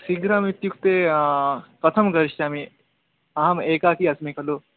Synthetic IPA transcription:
siɡɾamit̪jukt̪e | pɾɐt̪ʰɐmɡɐɾiʃt͡ʃaːmi | ɐɦɐmeːkaːkiɐsmekʰɐloː

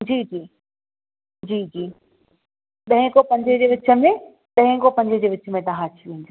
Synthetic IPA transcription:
d͡ʑiːd͡ʑiː | d͡ʑiːd͡ʑiː | ɗ̪ɐɦẽkopɐ̃ɲd͡ʑəd͡ʑeːʋɪt͡ɕʰə̆mẽ | ɗ̪ɐ̃ɦẽkopɐ̃ɲd͡ʑʱəd͡ʑeːʋɪt͡ɕəmẽt̪ɐɦãt͡ɕʰiʋẽːnd̪iː

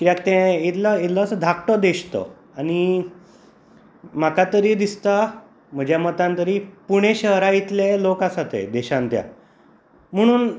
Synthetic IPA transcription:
kiakt̪ɛ̃it̪ləit̪lasəd̪ʱakʈɔd̪eɕt̪ɔ̰ | añi | m̤akat̪əɾiːd̪ist̪a | m̤əd͡ʑjamət̪ãnt̪əɾiːpuɽ̃eɕəɦɾajit̪lelokasat̪ḛd̪eɕãnt̪ja̰ | m̤əɽ̃uːn

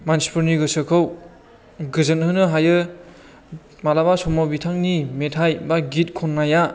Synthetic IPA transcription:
mansi̥pʰuɾniɡɯsɯkʰɯw | ɡɯzɯnɦɯnɯɦajɯ | malabasɔmawbitʰaŋnimetʰajbaɡit̚kʰɔnːaja

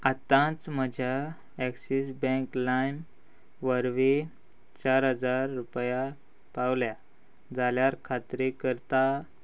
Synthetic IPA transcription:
at̪ãt͡sməd͡ʑʱa | ɛksisbə̃ŋklajm | ʋəɾʋe | t͡ɕaɾɦəd͡zaɾːupja | pawlja | d͡zaljaɾkʰat̪ɾekəɾt̪a

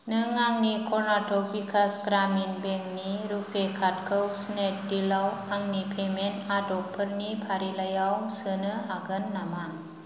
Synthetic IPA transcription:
nɯŋaŋnikʰɔɾnatʰɔk̚bikʰasɡɾaminbeŋniɾupʰekʰat̚kʰɯwsnet̚dilawaŋnipʰemenadɔk̚pʰəɾnipʰaɾilajawsɯnɯaɡɯnːamaŋ

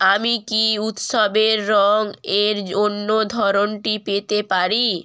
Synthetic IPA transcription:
amikiut̪ʃobeɾːɔŋeɾd͡ʑonːod̪ʱɔɾonʈipet̪epaɾi

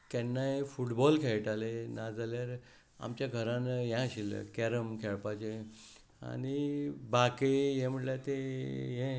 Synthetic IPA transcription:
k̪ɛnːaefuʈbɔlkʰɛɭʈalenad͡zaljaɾ | a̰mt͡ɕjaɡʱəɾãnjãɕilə̰kɛɾəmkʰɛɭpat͡ɕe | a̰nibakeɦẽm̤əʈlat̪eɦẽ

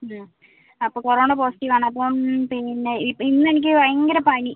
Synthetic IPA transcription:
ɐpːoːkureʋoɳɖepoːsi̥ʈːiʋaːɳɨɐp̬ːoːmpinːeipːinːɨenik̬ʲːɨʋɐjɐŋɡɐɾɐpɐɳi

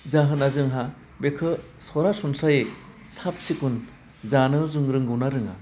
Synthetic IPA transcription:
zaɦɯnazɯŋɦa | bekʰɯ | sɔɾasunsaje | sap̚sikun | zanɯzuŋɾɯŋɡɯwnaɾɯŋa̰

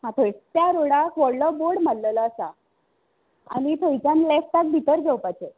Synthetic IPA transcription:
ɦãt̪ʰəst̪jaɾoɽakʋəɾləboɽm̤allələːsa̰ | a̰nit̪ʰoit͡ɕãnlɛfʈ̪ak̚bʱit̪əɾɡʱewpajt͡ɕe

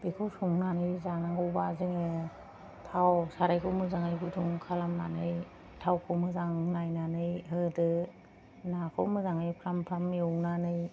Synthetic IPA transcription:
b̥ikʰowsuŋnanɯjzanaŋɡɯwbazɯŋɯ | tʰawsaɾajkʰɔwmɯzaŋajɡutʰuŋkʰalamna̰nɯj | tʰawkʰɔwmɯzaŋnajnanɯjɦɯdɯ | nakʰɔ̰wmɯzaŋɯjpʰɾampʰɾamːiɔwnanɯj

